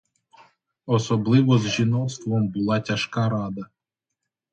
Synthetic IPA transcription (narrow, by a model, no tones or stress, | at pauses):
ɔsɔblˠɪʋɔzʒinɔt̪st̪ʋɔmbʊlˠɑtʲɐʃkɑɾɑd̪ɐ